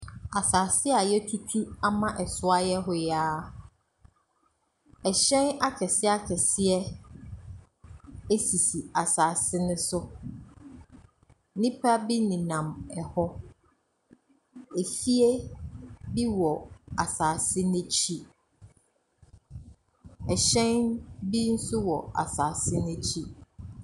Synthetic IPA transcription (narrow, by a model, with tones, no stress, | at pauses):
a˨saː˨sɪ˦a˨jɛ˦tʰu˦tʰu˦a˦mã˦ʔɛ˨sʊ˦a˦jɛ˦ɦʊ˦jaː˦ | ɛ˨ɕɛ̃˦na˦kʰɛ˨sɪ˦a˦kʰɛ˨sɪ˦ɛ˦ | e˦si˨si˨a˨saː˨sɪ˦nʊ̃˦sʊ˦ | nĩ˦pʰa˦bi˦nĩ˨nã˨mɛ˨hɔ˦ | e˨fi˦e˦ | bi˦wɔ˨a˨saː˨sɪ˦nɪ̃˦t͡ɕʰi˦ | ɛ˨ɕɛ̃˦nbi˦n̩˦sʊ˦wɔ˨a̰˨saː˨sɪ˦nɪ̃˦t͡ɕʰi˦